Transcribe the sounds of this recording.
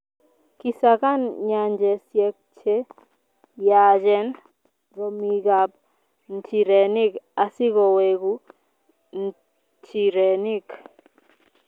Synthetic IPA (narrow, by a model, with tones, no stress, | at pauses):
ki˨saka˦nɲa˨ɲd͡ʒɛ˨sjɛ˨k̚t͡ʃe˦ | jad͡ʒɛ˦n | ɾo˨miɡap̚ | n̩tʰi˨ɾɛni˦ka˨si˦kɔ˨weɡu | n | ti˨ɾɛni˦k